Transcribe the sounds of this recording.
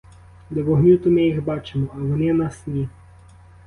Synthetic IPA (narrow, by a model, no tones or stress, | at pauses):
d̪eʋɔɦnʲut̪ʊmɪjixbɑt͡ʃemɔɐʋɔnɪnɑsnʲi